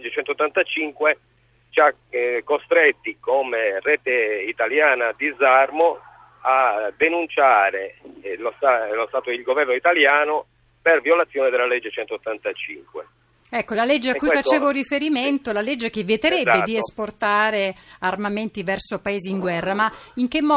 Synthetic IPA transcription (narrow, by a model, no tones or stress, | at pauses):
d͡ʒet͡ʃɛnt̪oːt̪ːant̪at͡ʃiŋkwe | t͡ʃa | kːost̪ɾet̪ːikomerɛːt̪eit̪aljaːnad̪izarmo | ad̪ːenunt͡ʃaːɾelost̪alost̪aːt̪oilɡovɛrnoit̪aljaːno | perviolat̪sːjoːned̪elːalɛd͡ʒːet͡ʃɛnt̪ot̪ːant̪at͡ʃḭŋkwḛ | ɛkːolaled͡ʒːeakuifat͡ʃeːvorifeɾiment̪olaled͡ʒːek̟evjɛt̪eɾɛbːed̪iesport̪aːɾearmament̪ivɛrsopaeːziːŋɡwɛrːamaiŋk̟emːɔː